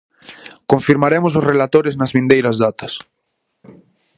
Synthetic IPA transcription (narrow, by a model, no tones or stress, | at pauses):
kõɱfiɾmaɾemʊsʊsrelat̪oɾɪznɐzβĩnd̪ejɾɐzðat̪ɐs